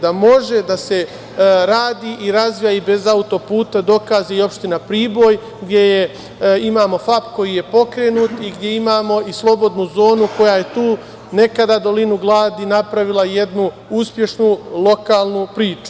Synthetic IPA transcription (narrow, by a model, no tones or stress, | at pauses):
d̪amo̞ʒe̞d̪ase̞ | ɾaːd̪iːʔiɾazʋijaibe̞zaut̪o̞puːt̪ad̪o̞kaːzeio̞pʃt̪inapɾiːbo̞ːj | ɡd̪ʲje̞je | imaːmo̞fapko̞jije̞po̞kɾeːnuːt̪iɡd̪jeimaːmo̞islˠo̞bo̞d̪nuzo̞ːnuko̞jaje̞t̪uː | ne̞kad̪ad̪o̞linuɡlˠaːd̪inapɾaʋilˠaje̞d̪nu | uspje̞ʃnulˠo̞kaːlˠnupɾiːt͡ʃu̥